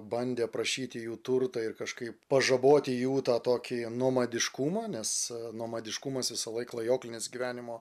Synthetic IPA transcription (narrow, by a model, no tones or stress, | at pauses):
bɐnʲd̪ʲeːpɾɐʃʲiːt̪ʲɪjuːt̪ʊrt̪ɐɪrkɐʃkɐɪppɐʒɐboːt̪ʲɪjuːt̪ɑːt̪oːkʲɪnuɔmɐd̪ʲɪʃkumɑːnʲɛsnuɔmɐd̪ʲɪʃkumɐsʋʲɪsɐlˠɐɪklˠɐjoːklʲɪnʲɪsɡʲiʋʲæːnʲɪmoː